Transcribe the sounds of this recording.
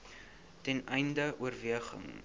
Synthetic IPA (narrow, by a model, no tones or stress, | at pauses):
tɛnɛjndəʔuərviəχə̰ŋ